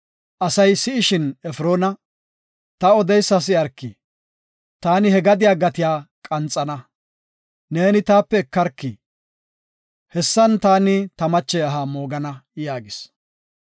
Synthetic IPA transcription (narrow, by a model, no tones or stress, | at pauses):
ʔɐsɐjsɪɪʃɪnɛfɾo̞ːnɐ | t̪ɐɔd̪ɛjsːɐs̬ɪɐɾkːi | t̪aːnɪhɛɡɐd̪ɪjaːɡɐt̪ɪjaːkʼɐnt͡sʼːɐnɐ | neːnɪt̪aːpːɛːkːɐɾkːi | hɛsːɐnt̪aːnɪt̪ɐmɐt͡ʃːɛɐɦaːmo̞ːɡɐnɐjaːɡɪs